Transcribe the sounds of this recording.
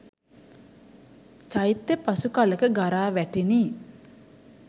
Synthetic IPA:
t͡ʃajt̪ːepasukalekəɡaɾaːʋɛʈiniː

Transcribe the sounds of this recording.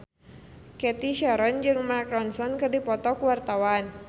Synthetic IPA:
kɛt̪iʃaɾɔnd͡ʒɨŋmarkɾɔnsɔnkɨrdipɔt̪ɔkuwart̪awan

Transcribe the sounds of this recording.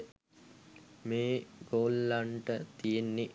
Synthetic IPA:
meːɡoːlːaɳʈət̪ijenːi

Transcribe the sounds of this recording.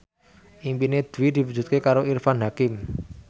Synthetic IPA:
ʔimpined̪̥wid̪̥i̤wu̥d͡ʒ̥ṳt̪̚kekaɾoirfanɦakɪm

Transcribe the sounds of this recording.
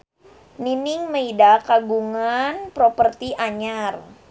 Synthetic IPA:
ninɪŋməidakaɡuŋanpɾopərt̪iʔaɲar

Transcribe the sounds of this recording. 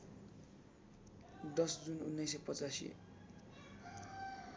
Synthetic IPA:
d̪ʌsd͡zunṵnːʌjsepʌt͡sasḭ

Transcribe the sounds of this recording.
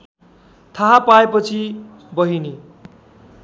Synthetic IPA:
t̪ʰaɦapaepʌt͡sʰi | bʌɦini

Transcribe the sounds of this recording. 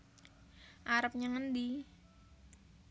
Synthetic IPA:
ʔaɾəp̚ɲaŋəndi

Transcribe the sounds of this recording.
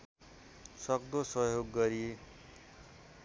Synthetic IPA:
sʌkd̪osʌjoɡːʌɾie

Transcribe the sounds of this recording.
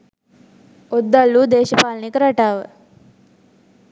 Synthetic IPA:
od̪ːalːuːd̪eːʃəpaːlnikəɾaʈaːʋə̰

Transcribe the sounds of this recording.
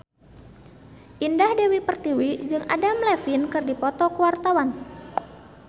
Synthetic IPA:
ʔindahdewipərt̪iwid͡ʒɨŋʔa̰damlɛfinkɨrdipɔt̪ɔkuwart̪awan

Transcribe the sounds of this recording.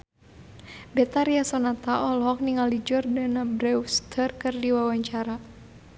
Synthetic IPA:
bɛt̪aɾiasɔnat̪aʔɔlhɔk̚niŋalid͡ʒɔrdanabɾɛwst̪ʰərkɨrdiwawaɲt͡ʃaɾa

